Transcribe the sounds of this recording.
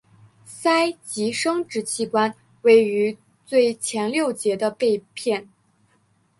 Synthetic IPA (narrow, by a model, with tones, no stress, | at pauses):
sa˥ɪt͡ɕi˧˥ʂɤ˥ŋʈ͡ʂɻ̩˧˥t͡ɕʰi˥˩kwa˥n | we˥˩ɪy˧˥ | t͡swe˥˩ɪt͡ɕʰjɛ˧˥nljo˥˩ʊt͡ɕjɛ˧˥d̪ə˧pe˥˧ɪpʰjɛ˥˩n